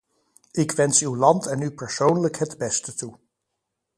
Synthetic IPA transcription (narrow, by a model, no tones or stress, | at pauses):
ɪkʋɛnsywlɑntɛnypəɹsownləkɦədbɛstətu